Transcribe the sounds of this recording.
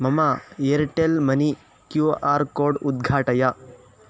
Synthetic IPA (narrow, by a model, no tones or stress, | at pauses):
mɐmaeɾʈelmɐni | kjuaːɾkoːɾɖud̪̚ɡʱaːʈɐja